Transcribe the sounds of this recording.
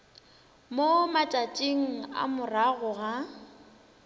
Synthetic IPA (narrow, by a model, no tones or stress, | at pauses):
momat͡ʃʼat͡ʃʼeŋ̩a̰mʊraɣʊɣa